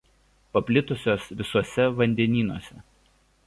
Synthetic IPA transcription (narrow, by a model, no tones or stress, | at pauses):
pɐpʲlʲɪt̪ʊsʲoːsʋʲɪsuɔsʲɛʋɐnʲd̪ʲɛnʲiːnuɔsʲɛ